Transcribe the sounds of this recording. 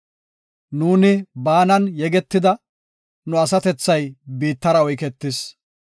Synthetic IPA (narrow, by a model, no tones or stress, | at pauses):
nuːnɪbaːnɐnjɛɡɛt̪ːɪd̪ɐ | nʊɐsɐt̪ɛt͡sːɐjbiːt̪ːɐɾɐɔjkɛt̪ːɪs